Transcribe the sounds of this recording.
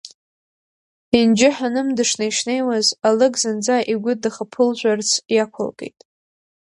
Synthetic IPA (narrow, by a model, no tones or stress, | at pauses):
ind͡ʒɪħanɨmdɨʂnaiʂne̞jwazalɨɡʼzɨnd͡zaʔiɡʷʊdɨχapʰɨlʒʷart͡sʰjakʷʰa̰lɡʼe̞̰jtʼ